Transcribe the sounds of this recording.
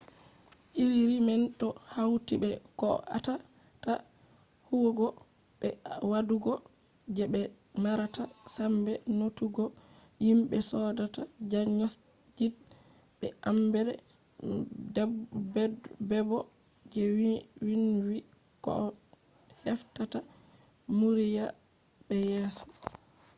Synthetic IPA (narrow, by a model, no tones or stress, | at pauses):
ʔiɾiɾimɛntɔhawtibɛkɔ̰ʔa̰ta | ta | huwɡɔ | ɓɛwaduɡɔ | d͡ʒɛbɛ | maɾatasambɛnotuɡɔ | jimɓɛsɔdatad͡ʒaɲɔ | d͡ʒid̚ | ɓɛ̰ʔambɛlɛ̰ | bɛbɔ | d͡ʒɛwwinwi | kɔ̰ | hɛftata | muɾija | ɓɛjɛsɔ̥